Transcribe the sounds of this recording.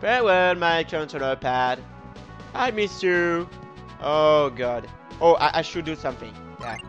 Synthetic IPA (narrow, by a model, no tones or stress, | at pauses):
pɛwɛlˠmaɪkʰɜ̃ntənəpʰæd̥ | aɪmɪstʉ | ʔoɡɑd | ʔoʊʔaɪʔaɪʃɨdɨsʌ̃mθɪ̰̃ŋ | jæ